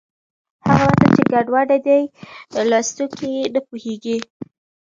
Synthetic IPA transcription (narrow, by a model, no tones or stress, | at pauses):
haɣawat̪at͡ʃeɡaɖwɑɖad̪ajlɑst̪ukienəpuheɡi